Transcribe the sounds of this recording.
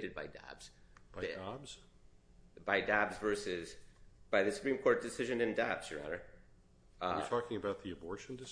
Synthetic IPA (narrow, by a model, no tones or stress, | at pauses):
ɾɨd̚baɪdæ̰bz̥b̥aɪabz̥ | baɪdæbzvɜ˞sɪz̥b̥aɪðɨsɨ̥pʰɹ̥ĩmkʰɔɹt̚d̥ɨsɪʒɨ̃nɨ̃ndæb̥z̥ə˞æ̰ɾə˞ | tʰɔkɪ̃ŋɨbaʊt̪̚ðiɨbɔɹʃn̩dɨs